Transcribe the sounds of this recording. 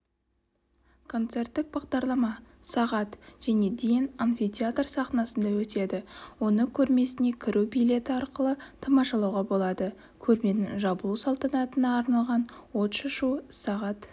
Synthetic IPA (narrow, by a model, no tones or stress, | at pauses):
kʰo̞nt̪se̞rt̪ːɪk̚bɑʁd̪ɑɾlˠɑmɑ | sɑʁɑt̪ʒ̥æne̞d̪ejɪnanfit̪ʲeat̪rsɑχnɑsənd̪ɑwɵt̪e̞d̪ɪwo̞nəkʲʰɵɾme̞sɪne̞kʲʰɪɾubijlʲe̞t̪ɪɑɾqəlˠət̪ʰɑmɑʃɑlˠɑwʁɑbo̞lˠɑd̪ə | kʲʰɵɾme̞nɪŋʒɑbəlˠusɑlˠt̪ɑnɑt̪ənɑːɾnɑlˠʁɑnwo̞t̪ʃɑʃusɑʁɑt̪